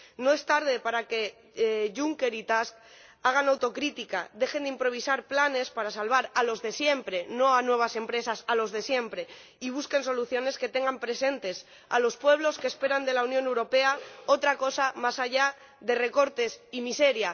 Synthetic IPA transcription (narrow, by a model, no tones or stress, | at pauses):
no̞e̞st̪aɾð̞e̞paɾake̞ | ʝuŋke̞ɾit̪ask | aɣ̞anawt̪o̞kɾit̪ikaðe̞xe̞nd̪impɾo̞β̞isaɾplane̞spaɾasalβ̞aɾalo̞zðe̞sje̞mpɾe̞no̞anwe̞β̞ase̞mpɾe̞sasalo̞zðe̞sje̞mpɾe̞ | iβ̞uske̞nso̞luθjo̞ne̞ske̞t̪e̞ŋɡampɾe̞se̞nt̪e̞s | a̰lo̞spwe̞β̞lo̞skeːspe̞ɾand̪e̞launjone̞wɾo̞pe̞ao̞t̪ɾako̞samasaʝa | ðe̞re̞ko̞ɾt̪e̞simise̞ɾja